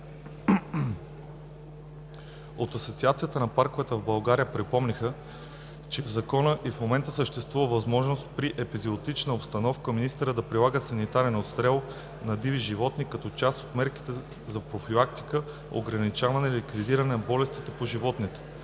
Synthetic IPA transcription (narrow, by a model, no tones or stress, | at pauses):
ot̪ɐsot̪siat̪sijət̪ənɐpaɾkovɛt̪əvbɐlˠɡaɾijəpɾipɔmnixə | t͡ʃɛvzɐkɔnəʔifmomɛnt̪əsəʃt̪ɛst̪vuvəvɐzmɔʒnost̪pɾiʔɛpiziot̪it͡ʃnəopst̪ɐnɔfkəminist̪ɛɾəd̪ɐpɾilˠaɡəsɐnit̪aɾɛnot̪st̪ɾɛlˠ | nɐd̪iviʒivɔt̪nikɐt̪ɔt͡ʃast̪ot̪mɛɾki̥t̪ɛ | zɐpɾofilˠak̚t̪i̥kə | o̰ɡɾɐnit͡ʃavɐnɛlikvid̪iɾɐnɛnɐbɔlɛst̪it̪ɛpoʒivɔt̪nit̪ɛ̥